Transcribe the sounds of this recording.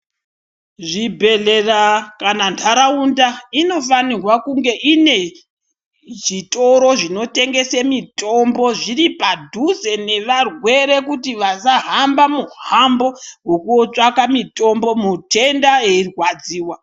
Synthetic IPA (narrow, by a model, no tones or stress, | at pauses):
ʐibʱe̞ɮe̞rakanantʰaɾaundaino̞fanirwakuŋɡe̞ʔine̞ | ʐitʼo̞ɾo̞ʐino̞te̞ŋɡe̞semitʼo̞mbo̞ʐiripadʱuze̞ne̞ʋarwe̞ɾe̞kutiʋasaɦambamuhambo̞wo̞kuot͡ʂakamitʼo̞mbo̞mutʰe̞ndaeirwad͡ziːwa